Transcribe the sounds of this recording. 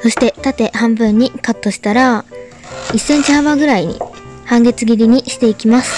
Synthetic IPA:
so̞ɕi̥t̪e̞t̪at̪e̞hãmbɯ̟̃ɲ̟ːikat̪ːo̞ɕi̥t̪aɾa | isːẽ̞ɲ̟t͡ɕihaβaɡɯ̟ɾaiɲḭhãŋɡe̞t͡sɨɡʲiɾʲiɲ̟iɕi̥t̪e̞ikʲimasɨ̥

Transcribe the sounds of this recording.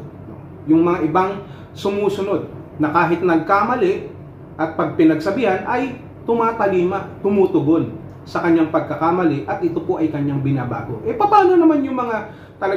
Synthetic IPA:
o | jʊŋmɐŋaʔɪbaŋ | sʊmuːsʊno̞d̪̚nɐkaːɦɪt̪̚nɐɡ̚kaːmɐlɛ | ʔɐt̪̚pɐɡ̚pɪnɐɡsɐbihɐnʔɐj | t̪ʊmaːt̪ɐliːmɐt̪ʊmuːt̪ʊɡo̞n | sɐkɐɲːaŋpɐɡ̚kɐkamɐlɪʔɐt̪̚ʔɪt̪o̞po̞ʔɐjkɐɲaŋbɪnaːba̰ːɡo̞̰ʔɛpɐpaːno̞nɐmanjʊŋmɐŋa | t̪ɐlɐ

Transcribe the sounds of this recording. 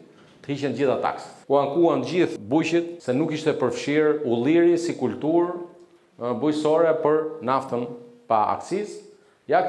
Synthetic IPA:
t̪əhiʃɛnd͡ʑiθat̪a̰ksi̥uaŋkuand͡ʑiθbujʃit̪̚sɛnukːiʃt̪ɛpəɾfʃiɾulˠiɾisikult̪uɾ | bujsɔɾɛpəɾnaft̪ənpaa̰ksiz | jak

